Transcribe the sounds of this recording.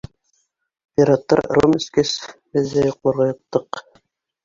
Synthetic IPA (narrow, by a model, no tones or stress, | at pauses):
pʲiɾɑt̪ːɑ̰ɾromɘ̆skæsbɘ̆ðːæjoqlˠɑ̆ɾʁɑjŏq̚t̪ːɤq